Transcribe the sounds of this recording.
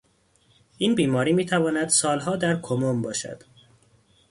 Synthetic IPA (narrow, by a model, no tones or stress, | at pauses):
ʔiːnbiːmɒːɾiːmiːt̪ʰævɒːnæd̪sɒːlɦɒːd̪æɾkʰomombɒːʃæ̰d̪̥